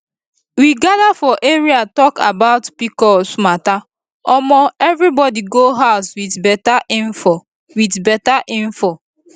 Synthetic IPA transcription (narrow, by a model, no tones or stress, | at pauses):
wiɡadafɔʔeɹiatɔka̰baʊtpikɔsmata | ɔmɔɛvɹɾibɔdiɡoɦaʊswidbɛtaʔĩɱfɔ | widbɛtaʔĩnfɔ